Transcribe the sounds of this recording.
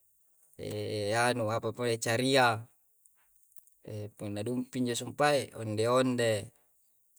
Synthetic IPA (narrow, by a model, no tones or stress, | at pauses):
ḛanuapapolet͡ʃaɾia | epunːadumpiɲd͡ʒosumpaeo̰ndeonde